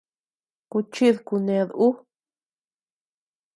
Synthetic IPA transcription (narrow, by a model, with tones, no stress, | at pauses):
ku˧t͡ʃi˦ðku˧nẽ˧ðu˦